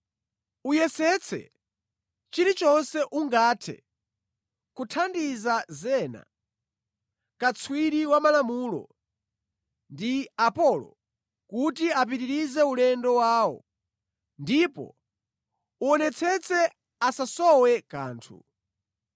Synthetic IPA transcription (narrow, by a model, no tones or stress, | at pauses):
ujɛsɛt͡sʰɛ̰ | t͡ʃiɾit͡ʃɔnsɛʔuŋɡaːtʰɛ̰ | kutʰandizazɛːna̰ | kat͡sʰwiɾiwamalamuːlɔ̰ | ndiapɔlɔ̰ | kutiap̬itiɾizɛulɛndɔwaːɔ̰ | ndipɔ̰ | uɔnɛt͡sʰɛt͡sʰɛ | asasɔwɛka̰ːntʰṵ